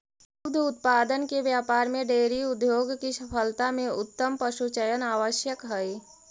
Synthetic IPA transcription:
jʊbd̪ʱʊt̪̚paːd̪ənkeʋjaːpaːɾmẽɖeːɾiʊd̪joːɡkiʃəpʰəlt̪amẽʊt̪ːəmpəʃut͡ʃəjənaːʋəʃjəkɦəi

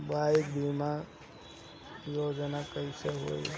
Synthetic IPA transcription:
baikbʱima | joːd͡ʒnakəiseɦo̰ḭ

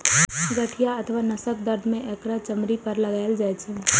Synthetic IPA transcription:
ɡəʈʰijaət̪ʰəʋanɐsək̚d̪əɾd̪ʱmẽʔɛkɾat͡ʃəmɾipəɾlɐɡaːɪld͡ʒaːjt͡ʃʰe

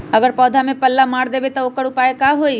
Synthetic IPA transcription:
ɐɡəɾpɔːd̪ʱamẽpɐlːamaːɽd̪eːbet̪ɔokəɽʊpaːekaɦoːi

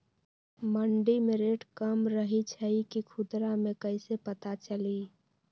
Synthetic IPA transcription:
məɳɖimeɾeːʈkəmɾəɦit͡ʃʰəikikʰʊd̪ɾamẽkəɪsepət̪at͡ʃəli

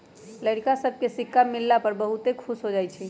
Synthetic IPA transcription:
ləɽkasəb̚ʱkesikːamilːapəɾbəɦut̪ekʰusɦod͡ʒajt͡ʃʰi

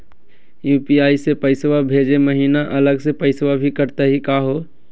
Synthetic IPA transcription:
juːpiaːisepəɪsʋabʱeːd͡ʒeməɦiːnaʔɐləɡsepəɪsʋabʱikəɾt̪aɦikaːɦoː

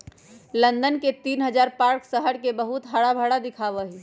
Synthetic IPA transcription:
lənd̪ənket̪iːnɦəd͡ʒaɾpaɾksəɦəɽkebəɦut̪ɦəɽabʱəɽad̪ɪkʰaʋəɦi

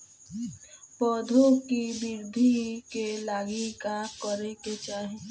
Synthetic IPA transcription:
pɔːd̪ʱokibɪɾd̪ʱikelaːɡikakəɾeket͡ʃaːɦe

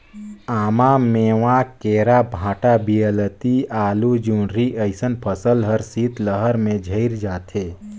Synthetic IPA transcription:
aːmameːʋãkeːɾabʱãːʈabijələt̪iaːlud͡ʒũːnɾiʔəɪsənpʰəsəlɦəɾsiːt̪ləɦəɾmẽd͡ʒʱəɪɾd͡ʒaːt̪ʰeː

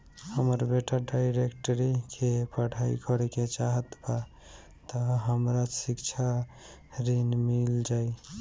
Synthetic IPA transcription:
həməɾbeʈaɖajɾekʈəɾikʰepəɽ̤ʱajkəɾket͡ʃaɦət̪ba | t̪əɦəmɾasikt͡ʃʰa | ɾinmild͡ʒaj

